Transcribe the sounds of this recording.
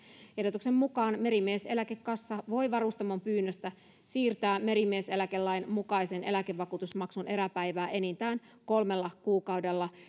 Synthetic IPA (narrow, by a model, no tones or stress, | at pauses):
edot̪uksemːukɑːnme̞ɾimiese̞lækekːɑsːɑʋo̞jʋɑrust̪ɑmompyːnːøst̪æ | siːrt̪æːme̞ɾimiese̞lækelːɑjnmukɑjsene̞lækeʋːɑkut̪usmɑksune̞ɾæpæjʋæːʔenint̪æːn | ko̞lmelːɑkuːkɑwdelːɑ